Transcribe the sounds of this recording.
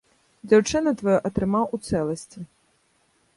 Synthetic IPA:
d͡zʲawt͡ʂɨnɐt̪vɐjɔʔɐt̪ɾɨmawut̪sɛlˠɐsʲt͡sʲi

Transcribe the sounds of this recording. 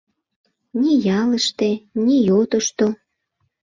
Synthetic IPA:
nʲijɑləʃt̪enʲijot̪əʃt̪o

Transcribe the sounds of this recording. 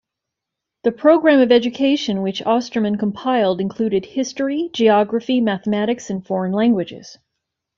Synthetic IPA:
ðɨpʰɹ̥oʊɡɹæ̃mʌvɛd͡ʒɨkʰeɪʃɨ̃nwɨt͡ʃɑstɹ̥əmɨ̃nkʰə̃m̩pʰaɪlˠdɨ̃nkʰl̥ʉɾɨd̚hɪstɹ̥id͡ʒiɑɡɹɨfimæθəmæɾɨksɨ̃nfɔɹɨ̃nlæ̃ŋɡwɨd͡ʒɪ̰z̥

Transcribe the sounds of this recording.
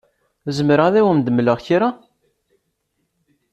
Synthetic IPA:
zəməɾəʁðæwəmd̪əmləʁçiɾa

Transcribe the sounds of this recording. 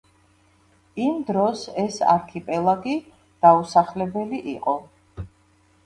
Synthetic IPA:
imd̪ɾɔsɛsa̰ɾkʰipʼɛlˠaɡi | d̪̥ausaχlɛbɛliʔiqʼɔ

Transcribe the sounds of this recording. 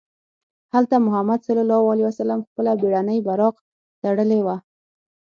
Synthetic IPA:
halt̪amʊɦamad̪salɑlɑwaliwasalamxpəlabeɽanəjbaɾɑq | t̪aɽəlewa

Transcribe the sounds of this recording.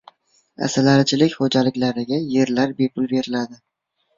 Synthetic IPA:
a̰salaɾɪt͡ʃʰɪlɪkʲχod͡ʒalɪkʲlaɾɪɡʲaje̞ɾlaɾbe̞pʰʊlˠbe̞ɾɪlad̪ɪ

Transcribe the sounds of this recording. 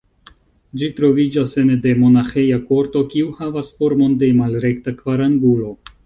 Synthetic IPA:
d͡ʒitɾo̞vid͡ʒase̞nde̞mo̞naxejako̞ɾto̞kiuhavasfoɾmo̞nde̞malɾe̞ktakvaɾaŋɡulo̞

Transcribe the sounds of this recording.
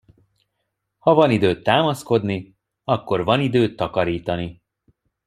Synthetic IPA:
hɒvɒnid̪øːt̪ːaːmɒsko̞d̪ni | ɒkːo̞rvɒnid̪øːt̪ːɒkɒɾiːt̪ɒni

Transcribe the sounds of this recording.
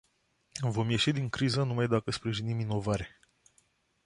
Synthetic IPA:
vo̞mje̞ʃid̪iŋkɾizənumajd̪akəspɾiʒinimino̞vaɾe̞

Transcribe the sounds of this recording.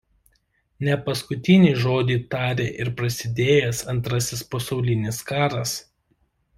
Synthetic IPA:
nʲɛpɐskʊt̪ʲɪnʲiːʒoːd̪ʲiːt̪ɑːɾʲeːʔɪɾpɾɐsʲɪd̪ʲeːjɛsɐnt̪ɾɐsʲɪspɐsɒʊlʲɪnʲɪskɑːɾɐs

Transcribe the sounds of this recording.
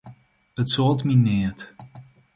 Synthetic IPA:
ətsolˠtminɪət

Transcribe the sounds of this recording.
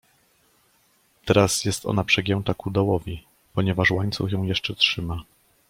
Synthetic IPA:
t̪ɛɾasjɛst̪ɔ̰napʂɛɡʲjɛñt̪akud̪awɔvʲi | pɔɲɛvaʂwaɲt̪suxjɔ̃w̃jɛʂt͡ʂɛtʂɘma

